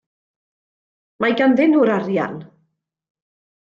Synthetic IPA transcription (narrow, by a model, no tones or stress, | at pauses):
majɡanðɪnuːɾaɾja̰n